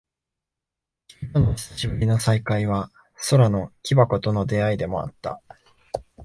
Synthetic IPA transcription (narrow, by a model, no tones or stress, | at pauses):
i̥t̪onoɕɕibɯ̟ɾʲino̞saikaiβ̞a | so̞ɾano̞kʲibako̞t̪o̞no̞d̪e̞aid̪e̞mo̞̰a̰t̪ːa̰